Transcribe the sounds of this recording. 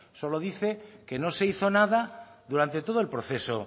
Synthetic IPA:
so̞loð̞iθeke̞noseiθonað̞aðuɾant̪e̞t̪o̞ð̞oelpɾoθe̞so̰

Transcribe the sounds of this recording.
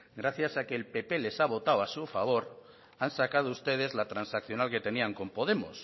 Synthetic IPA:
ɡɾaθjasakeːlpe̞pe̞le̞saβ̞o̞t̪awasufaβ̞o̞ɾ | ansakað̞oust̪e̞ð̞e̞zlat̪ɾansakθjo̞nalke̞t̪e̞niaŋko̞mpo̞ð̞e̞mo̰s

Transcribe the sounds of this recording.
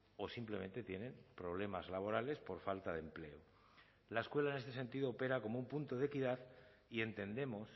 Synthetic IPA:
o̞simple̞mẽ̞nt̪e̞t̪je̞ne̞mpɾo̞β̞le̞mazlaβ̞o̞ɾale̞spo̞ɾfalt̪aðemple̞̰o | lae̞skwe̞laenest̪e̞se̞nt̪iðoːpe̞ɾako̞moumpunt̪oðe̞kiðað | ie̞nt̪e̞nd̪e̞mo̞s

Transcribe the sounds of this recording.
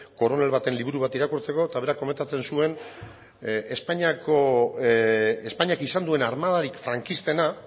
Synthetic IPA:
ko̞ɾo̞ne̞lβat̪e̞nliβuɾuβ̞at̪iɾakuɾt͡se̞ko̞t̪aβe̞ɾakːome̞nt̪at͡se̞nsue̞n | espaɲako | espaɲakisand̪ue̞naɾmað̞aɾikfɾaŋkist̪e̞na

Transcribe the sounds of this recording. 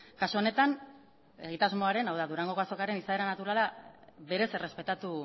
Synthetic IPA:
kasuo̞ne̞t̪an | e̞̰ɣ̞it̪azmo̞aɾe̞nawðaðuɾaŋɡo̞ko̞aso̞kaɾe̞nisae̞ɾanat̪uɾalaβe̞ɾe̞se̞re̞spe̞t̪at̪u

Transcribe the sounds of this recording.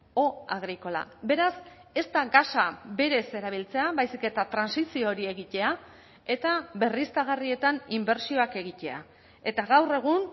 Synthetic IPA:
o̞aɣɾiko̞la̰be̞ɾas | e̞st̪aɡasabe̞ɾe̞se̞ɾaβ̞ilt͡se̞aβajsike̞t̪at̪ɾansisiooɾie̞ɣit̪e̞a | e̞t̪aβe̞rist̪aɣ̞arie̞t̪animbe̞ɾsio̞ake̞ɣit̪e̞a̰ | e̞t̪aɣawre̞ɣ̞un

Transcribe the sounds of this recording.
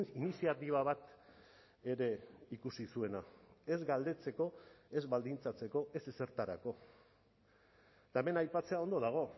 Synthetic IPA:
inisiat̪iβ̞aβ̞at̪ | e̞ɾe̞ikusisue̞nae̞zɡald̪e̞t͡se̞ko̞e̞zβald̪int͡sat͡se̞ko̞e̞se̞se̞ɾt̪aɾa̰ko̞ | t̪aeme̞najpat͡se̞ao̞nd̪o̞ðaɣ̞o̞

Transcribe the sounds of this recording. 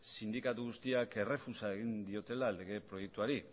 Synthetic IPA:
sind̪ikat̪uɣ̞ust̪iake̞re̞fusaeɣ̞ind̪io̞t̪e̞lale̞ɣ̞e̞pɾo̞je̞k̚t̪uaɾi

